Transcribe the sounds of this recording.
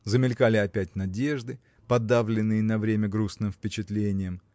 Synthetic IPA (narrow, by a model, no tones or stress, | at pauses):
zəmʲɪlʲkalʲɪɐpʲætʲnɐdʲe̞ʐd̪ɨ | pɐd̪ːavlʲɪnːɨjənɐvɾʲemʲəɡɾusnɨmfpʲɪt͡ɕɪt̪lʲenʲɪjəm